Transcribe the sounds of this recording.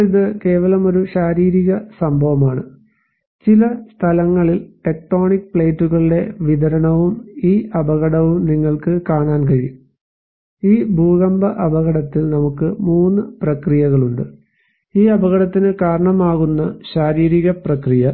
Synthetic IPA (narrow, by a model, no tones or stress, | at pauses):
iðɨke̞ːʋɐlɐmo̞ɾuɕaːɾiːɾiɣɐsɐmbʱɐʋɐmaːɳɨ | t͡ɕilɐst̪ʰɐlɐŋːɐɭilʈe̞k̚ʈo̞ːɳik̚pɭe̞ːtːuɣɐɭiɽe̞ʋid̪ʱɐɾɐɳɐʋumiːʔɐbʱɐɣɐɽɐʋumniŋːɐɭkɨkaːɳaːnkɐɻijum | iːbʱuːɣɐmbɐʔɐbɐɣɐɽɐt̪ːilnɐmukːɨmuːnːɨprɐkrijɐɣɐɭuɳɖɨ | iːɐbɐɣɐɽɐt̪ːinɨkaːɾɐɳɐmaːɣunːɐɕaːɾiːɾiɣɐprɐkrijɐ